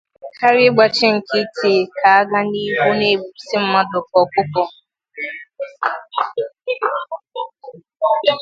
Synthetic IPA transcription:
ka˦ɾɪ˦ɡ͡ba˨t͡ʃɪ˦ŋ̩˨kɪ˦tʰe˨ka˨a˦ɡa˦ni˦ɦu˦ne˦˨sɪ˦m̩˦ma˦dʊ˨kɔ˨kʷʊ˦kɔ˦

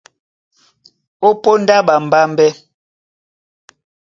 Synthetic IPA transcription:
o˦po˦n˦da˦ɓa˨m̩˨ba˦mbɛ˦

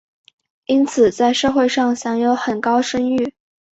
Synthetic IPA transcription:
i˥nt͡sʰɹ̩˨˩t͡sa˥˧ɪʂɤ˥˧xwe˥˧ɪʂɑ˥˩ŋɕjɑ˧˥ŋjo˧˥ʊxə˨˩nkɑ˥ʊʂə˥ŋy˥˩

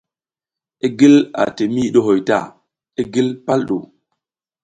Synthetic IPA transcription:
e˦ɡi˦la̰˨te˨mi˦˨ɗo˦ɦo˨jta̰˦˨ | e˦ɡi˦lpa˦lɗo˨

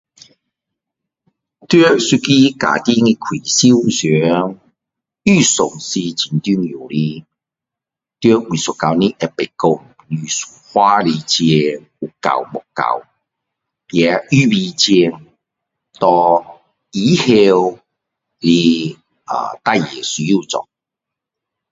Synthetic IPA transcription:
t̪ɛ˦˥su˧ki˦ka̰˨˩t̪i˦˥ŋi˧kʰwi˨˩si˦wsɛ˨˦ŋ | y˥˧˩sʊ˨˩ŋsi˧t͡ɕi˨nt̪y˦ŋju˨˩li˦ | t̪ɛ˥˧˦wi˨su˨kːa˧wni˦ʔɛ˧pe˨˩ko˧m˨ly˧˩su̥˨hwa˦˥li˧t͡ɕiɛ˧ŋ | u˨˩ka̰˨˩wmʊ˨˩kːa̰˨˩w | ja˨˧y˦bi˧t͡ɕi˧ŋ | t̪ɔ˧ | i˨˦he˧w | li˧ | ə̰˨t̪a˥˧˨jḭ˨˩ɛ˨su˨˦ju˦˥˧t͡sɔ̰˨˩ŋ

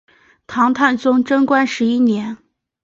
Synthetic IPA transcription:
t̪ʰɑ˧˥ŋt̪ʰa˥˩nt͡sʊ˥ŋʈ͡ʂɤ˥ŋkwa˥nʂɻ̩˧˥i˥njɛ˧˥n

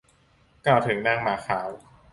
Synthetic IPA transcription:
kaː˧˩wt̪ʰɯ˩˦ŋna˥˩ŋmaː˨˩˦xʰaː˩˦w

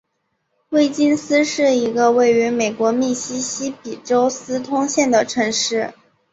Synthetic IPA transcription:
we˥ɪt͡ɕi˥nsɹ̩˥ʂɻ̩˥˩i˧˥ɡə˧we˥˩ɪy˧˥me˨˩ɪkwɔ˧˥mi˥˩ɕi˥ɕi˥pi˨˩ʈ͡ʂo˥ʊsɹ̩˥t̪ʰʊ˥ŋɕjɛ˥˩nd̪ə˩ʈ͡ʂʰɤ˧˥ŋʂɻ̩˥˩

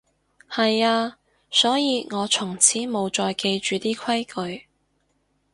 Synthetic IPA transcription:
hɐ˨jaː˧ | sɔː˨˥jiː˨˧ŋɔː˨˧t͡ʃʰʊ˨˩ŋt͡sʰiː˨˥mo˨˧wt͡ʃɔː˧jke˧jt͡ʃyː˨t̪iː˥kʷʰɐ˥jkʰɵ˨˧ɥ

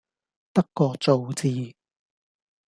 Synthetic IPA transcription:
t̪ɐ˥kːɔː˧t͡so˨˧wt͡siː˧

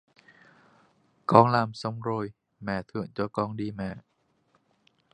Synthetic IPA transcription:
kɔː˧ŋlaː˧mso˧˩mɾoː˧j | mɛː˨˩˦t̪ʰɯ˨˧˩əŋt͡ɕu˧kɔː˧ŋdiː˧mɛː˨˩˦

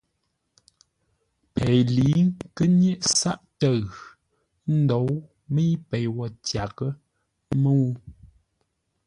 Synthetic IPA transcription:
pʰɛ˨jli˨˦ŋkə˦njɛ˦ʔsa˦ʔtə˦˨ɣ | n̩˦do˨˦w | mə˦i˦pɛ˨jwɔ˨tja˨kə˦ | mə˦wu˦

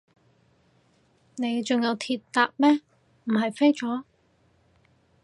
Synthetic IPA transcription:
ne˨˧jt͡sʊ˨ŋjɐ˨˧wt̪ʰiː˧t̪t̪ːaː˧p̚mɛː˥ | m̩˨˩ɦɐ˨jfe˥jt͡sɔː˨˥

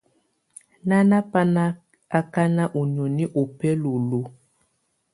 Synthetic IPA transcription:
na˦na˦pa˦na˦ | a˦ka˦na˦ʔo˨ɲ˨ɔ˨ni˦ʔo˨pɛ˦lo˨lo˨

